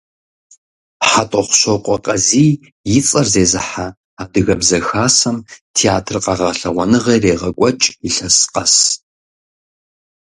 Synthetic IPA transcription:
ħatʼɔχʷʊ̥ɕoqʷʼɔqʼɐziː | jɪt͡sʼɐrzeːzɨħa | aːdɨɣɐbzɐxaːsɐmtʰiaːtʰrqɑʁɐɬɐʁʷɔnɨʁɐjreːʁɐkʷʼɔt͡ʃʼiɬɐsqɐs

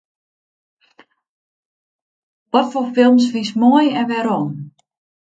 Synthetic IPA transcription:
ʋɔtfoːfɪlˠms̬fismoəjɛnʋɛɾɔm

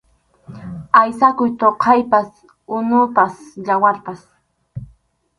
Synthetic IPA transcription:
ajsakʊjt̪oqʰɑjpas | ʊnʊpasʎawaɾpas

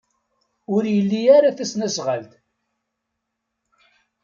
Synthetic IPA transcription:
ʊɾjəlːiaɾaθæsnæsʁəlt̪

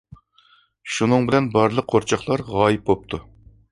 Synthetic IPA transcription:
ʃunɨŋbɪlɛnbɑɾlˠəqqʰːoɾt͡ʃʰɑχlˠɑɾʁɑːjɨp̚bop̚t̪ʰu

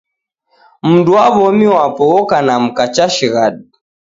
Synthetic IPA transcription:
m̩nduwaβɔmiwapɔɔkanam̩kat͡ʃaʃiɣaɗi

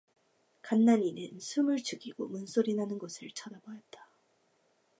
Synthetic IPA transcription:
kanːaɲinɯnsʰumɯɭt͡ɕɯɡiɡomunsʰoɾinɦanɯnɡʌsʰɯɭt͡ɕʰʌdabʌjʌt̚t͈ḁ

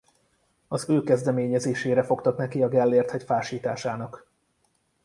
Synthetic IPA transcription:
ɒzøːkɛzd̪ɛmeːɲɛzeːʃeːɾɛfo̞kt̪ɒknɛkiɒɡɛlːeːrt̪hɛcfaːʃiːt̪a̰ːʃaːnɒk

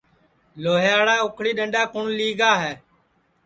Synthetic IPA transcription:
loːɦjaːɽaːʊkʰɽiːɗəɳɖaːkʊɳliːɡaːɦɛː

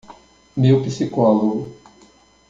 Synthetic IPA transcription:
mewpisikɔloɡʊ

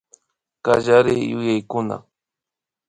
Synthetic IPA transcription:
kaʒaɾɪjʊjajkʊna̰

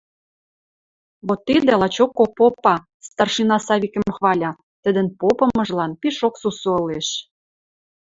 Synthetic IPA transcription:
βot̪ːid̪elɑt͡ɕokːopopɑ | st̪ɑrʃinɑsɑβikə̆mxβɑlʲɑ | t̪ə̆d̪ə̆npopɤ̆mɤ̆ʒlɑnpiʃoksusoəleʃ

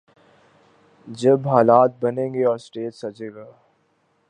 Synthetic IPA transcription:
d͡ʒɐbɦaːlaːt̪̚bɐnẽːŋɡeɔːɾsʈeːtsɐd͡ʒẽːɡaː

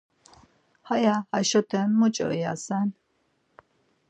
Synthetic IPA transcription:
hajaaʃɔt̪ʰɛnmut͡ʃʼɔ̰ja̰san

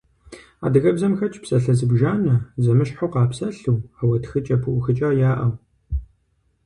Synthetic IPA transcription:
a̰ːdɨɣɐbzɐmxɐt͡ʃʼpsʼɐɬɐzɨbʒaːnɐzɐmɨɕħowqɑːpsɐɬuwawɐtxɨt͡ʃʼɐpʰɨʔʷʊxɨt͡ʃʼɐjaːʔɐw

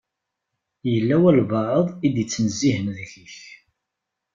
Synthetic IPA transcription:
jəlːæwælvɑʕəðˤid̪jət͡sːnəzːiɦənðçiç

